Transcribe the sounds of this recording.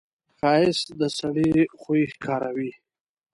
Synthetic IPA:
xɑɪsd̪əsaɽixoixkʰɑɾawi

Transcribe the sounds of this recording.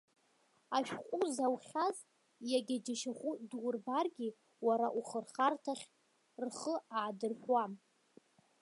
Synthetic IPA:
aʃᶣqʷʼuzawχʲaz | jaɡʲad͡ʒaʃaχʷudwrbarɡʲi | waɾaʔuχərχartʰaχʲ | rχəaːdɨrħʷwa

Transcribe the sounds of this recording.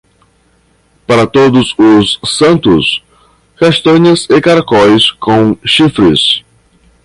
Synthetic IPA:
paɾɐt̪od̪ʊzʊsːɐ̃nt̪ʊs | kaʃt̪ɐ̃ɲɐzɪkaɾakɔjskʰõw̃ʃifɾɪ̰s

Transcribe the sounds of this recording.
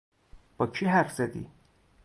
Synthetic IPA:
b̥ɒːt͡ʃʰiɦæɾfz̥æd̪ḭ

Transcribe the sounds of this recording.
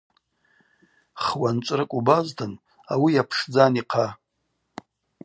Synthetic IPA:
χwant͡ʃʷʼrɨkʷʼubaztʰɨn | a̰wijapʰʂd͡zaniqʰa

